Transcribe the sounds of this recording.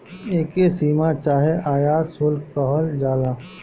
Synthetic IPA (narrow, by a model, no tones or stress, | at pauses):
eːkesiːmat͡ʃaːɦeʔaːjaːsʊlkɔɦəld͡ʒaːla